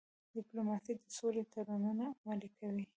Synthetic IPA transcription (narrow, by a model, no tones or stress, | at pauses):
d̪ɪplomɑsid̪əsolet̪aɾanunaːmalikʰawi